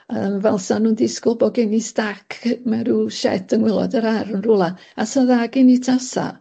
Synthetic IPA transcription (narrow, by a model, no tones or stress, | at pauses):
əmvɛlˠsanuːndɪskʊbɔɡenistakʰmɛɾuʃɛ̰tʰəŋwɪlˠɔ̰dəɾarənrulˠa | asaðaɡɪnitʰasa̰